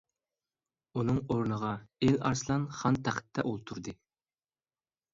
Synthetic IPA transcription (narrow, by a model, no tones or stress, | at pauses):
unɨŋoɾnəʁɑelɑ̰ɾslˠɑnχɑnt̪ʰæχɪ̥t̪ʰːɛ̰ʔolˠt̪ʰuɾd̪ɨ